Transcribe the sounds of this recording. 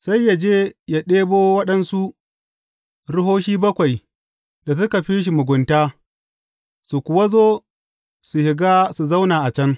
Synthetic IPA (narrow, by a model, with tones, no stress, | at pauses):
sa˦jːa˨d͡ʒeː˦ja˦ɗeː˦boː˦wɐ˦ɗɐ˦nsu˦ʔ | ɽʊ˦ɦoː˦ʃiː˦bɐ˦kʷa˨j | da˨s̬ʊ˦ka˨ɸiː˦ʃ̬i˨mʊ˨ɡʷʊ˨ntaː˦ | su˨kʷʊ˨wa˦zoː˦ | su˨hɪ˨ɡaː˦su˨za˦wnaː˨ʔa˨t͡ʃɐ˦ŋ